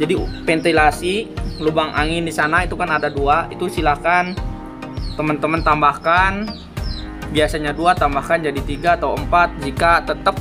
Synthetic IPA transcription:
d͡ʒadifɛnt̪ilasilubaŋʔa̰ŋɪndisanait̪ukanadaduait̪usilakan | t̪əmənt̪əmənt̪ambahkan | biasaɲaduat̪ambahkand͡ʒadit̪iɡaːt̪auəmpat̪̚d͡ʒikat̪ət̪əp̚

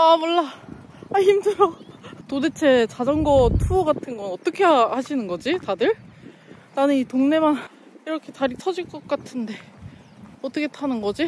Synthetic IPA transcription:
amʌɭːa | açimdɯjotodet͡ɕʰe̞t͡ɕad͡ʑʌŋɡʌtʰuʌɡatʰɯnɡʌnʌt͈ʌkʰe̞ahaɕʰinɯnɡʌd͡ʑitadɯɭ | tanɯnitoŋne̞man | iɾʌkʰe̞taɾit͡ɕʰʌd͡ʑiɭk͈ʌk̚k͈atʰɯnde̞ | ʌt͈ʌkʰe̞tʰanɯnɡʌd͡ʑi

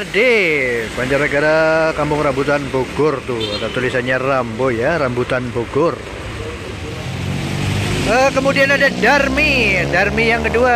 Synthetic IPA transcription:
rdebaɲt͡ʃaɾaɡaɾakampʊŋrambut̪anboɡʊrt̪uadat̪ulisanɲarambojarambut̪anboɡʊr | əkəmudianadadarmidarmijaŋkədua

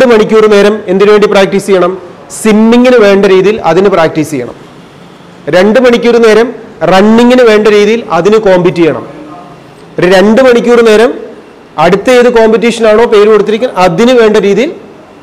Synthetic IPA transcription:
ɨmɐɳikʲːuːrɨne̞ːɾɐme̞nd̪iɾʋeːɳɖipraːk̚ʈiːsijɐɳɐm | simːiŋɡinɨʋe̞ːɳɖɐɾiːðijilɐ̰ðinɨpraːk̚ʈiːsijːɐ̰ɳɐ̰m | ɾe̞ɳɖɨmɐɳikʲːuɾune̞ːɾɐmrɐɳːiŋɡinɨʋe̞ːɳɖɐɾiːðijilɐðinɨko̞ːmbitːijɐɳɐ̰m | ɾe̞ɳɖɨmɐɳikʲːuːrɨne̞ːɾɐm | ɐɽut̪ːɐeːðɨko̞ːmbit̬ːiːʂɐnaːɳo̞ːpe̞ːɾukoɽut̪ːiɾikʲːunʔɐðinɨʋe̞ːɳɖɐɾiːðijil

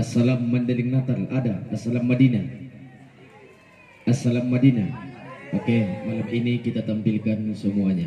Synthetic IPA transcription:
asalamːandəliŋnat̪aladaasalamːadina | asalamːadinaokemalaminikit̪at̪ampilkansəmuaɲa

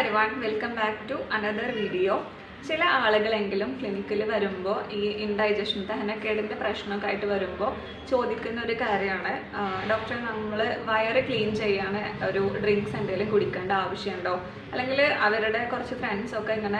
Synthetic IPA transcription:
ɐɾiʋaːɳʋelkːɐmbaːkʈuʔɐnɐðɐrʋiːɖijo̞ː | t͡ɕilɐʔaːɭuɣɐɭe̞ŋɡilumkɭinikːilʋɐɾumbo̞ːʔiːinɖɐjd͡ʑɐʂɐnt̪ɐɦɐnokːeːiɽindeprɐɕɳɐokːaːjiʈːɨʋɐɾumbo̞ː | t͡ɕo̞ːd̪ikʲːunːɐo̞ɾukaːɾjɐmaːɳɨ | ɖo̞ːk̚ʈrɐnɐmːɐɭɨʋɐjɐrɨkɭiːnt͡ɕe̞jːaːɳɨo̞ɾuɖriŋɡsendeːlumkuɽikʲːeːɳɖɨaːʋɐʂjɐuɳɖo̞ː | ɐlːe̞ŋɡilɐʋɐɾuɽe̞kurɐt͡ɕːufreɳɖso̞kːeiŋːɐne

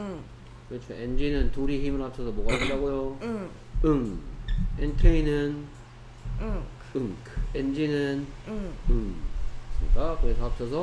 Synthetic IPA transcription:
kɯɾɯt͡ɕʰoend͡ʑinɯntuɾiɦimɯɾap̚tʰʌsʰʌmwʌɡaɡɯdaɡojo | ɯŋ | entʰeinɯn | ɯŋkend͡ʑinɯn | ɯŋɯsɯɲikakɯɾesʰʌap̚sʰʌsʰʌ

